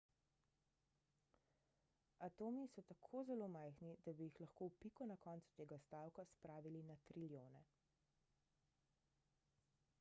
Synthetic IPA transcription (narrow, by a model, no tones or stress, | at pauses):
at̪oːmisɔt̪akʰoːzɛlomajxnid̪abijixlaxkowpikɔnakɔːnt̪su̥t̪eːɡast̪aːwkaspɾaːʋilinat̪ɾiljoːnɛ